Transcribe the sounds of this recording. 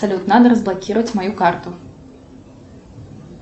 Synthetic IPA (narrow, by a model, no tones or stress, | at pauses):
salʲut̪nad̪ɐɾɐzblˠakʲiɾvɐt͡sʲmajukart̪ʊ